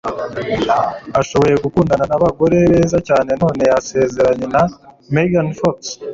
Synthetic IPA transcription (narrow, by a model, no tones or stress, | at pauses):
aʃo̞βo̞je̞ɡukuːndananaβaɡo̞ɾe̞βe̞ːzacaːne̞no̞ːne̞jase̞ːze̞ɾaɲe̞na | meɡanfoks